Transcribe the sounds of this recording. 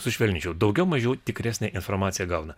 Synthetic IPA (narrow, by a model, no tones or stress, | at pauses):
sʊʃʲʋʲɛlʲnʲɪt͡ʃʲɛʊd̪ɒʊɡʲɛʊmɐʒʲuːt̪ʲɪkɾʲæːsʲnʲɛʔɪnfɔɾmɑːsʲɪjɛɡɑʊnɐ